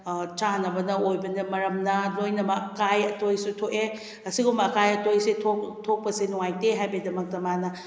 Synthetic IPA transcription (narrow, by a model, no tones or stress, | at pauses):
t͡ʃanɐbɐnɐojbɐnɐmɐɾɐmnɐlojnɐbɐkajɐtojsutʰoʔe | ɐsiɡumbɐkajɐtojsetʰotʰok̚pɐsenuŋajteɦajbedɐmɐk̚tɐmanɐ